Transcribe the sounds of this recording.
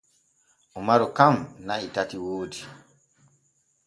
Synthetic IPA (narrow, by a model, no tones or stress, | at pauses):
ʔɔmaɾɔkamnaitatiwoːdi